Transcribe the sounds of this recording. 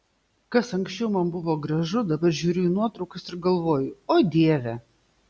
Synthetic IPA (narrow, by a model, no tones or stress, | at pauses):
kɐsɐŋksʲt͡ʃʲɛʊmɐnbʊʋoːɡɾɐʒʊd̪ɐbɐɾʒʲuːɾʲʊɪnuɔt̪ɾɐʊkɐsɪɾɡɐlˠʋoːjʊoːd̪ʲiɛʋʲɛ